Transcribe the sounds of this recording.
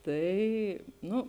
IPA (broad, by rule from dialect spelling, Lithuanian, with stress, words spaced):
ˈtɐɪ ˈnʊ